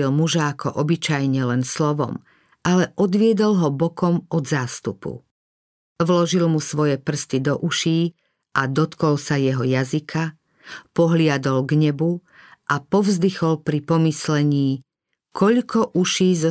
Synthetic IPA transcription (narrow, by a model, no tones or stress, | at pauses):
ilmuʒaːkɔʔɔbit͡ʃajɲɛlɛnslɔʋɔ̰m | alɛʔɔd̪ʋɪɛd̪ɔlɦɔbɔkɔmʔɔd̪zaːst̪upṵ | ʋlɔʒilmusʋɔjɛpr̩st̪id̪ɔʔuʃiː | ʔad̪ɔt̪kɔlsajɛɦɔjazikʰa | pɔɦlɪad̪ɔlɡɲɛbu | ʔapɔvzd̪ixɔlpɾipɔmislɛɲiː | kʰɔʎkɔʔuʃiːzɔ